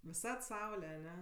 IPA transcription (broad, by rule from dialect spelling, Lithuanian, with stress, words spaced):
ʋʲɪˈsɐt ˈsɐʊlʲɛ ɐˈnʲɛ